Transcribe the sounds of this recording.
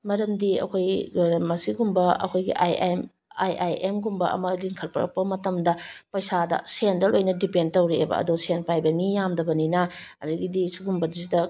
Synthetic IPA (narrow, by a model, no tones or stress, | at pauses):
mɐɾɐmdiɐ̰kʰojɾɐmːɐsiɡumbɐɐ̰kʰojɡḭʔajm | ajʔajemɡumbɐʔɐ̰mɐliŋkʰɐlpɐɾɐ̰k̚pɐmɐtɐmdɐpɐjsadɐ̰sendɐlʔojnɐdipendtɐwɾiḛbɐ̰ɐ̰dusenpajbɐmijamdɐbɐninɐɐɾuɡidisuɡumbɐdizidɐ